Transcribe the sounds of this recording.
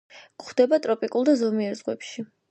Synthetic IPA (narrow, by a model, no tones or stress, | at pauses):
kχd̪ɛbat̪ʼɾɔpʼikʼulˠd̪azɔmiɛɾzʁwɛ̰pʃi